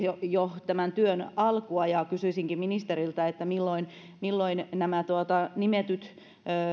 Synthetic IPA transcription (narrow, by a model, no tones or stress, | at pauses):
jojot̪æmænt̪yønɑlkuɑjɑkysyisiŋkimminist̪erilt̪ɑet̪ːæmilːoin | milːoinnæmæt̪uɑt̪ɑnimet̪yt̪ | øː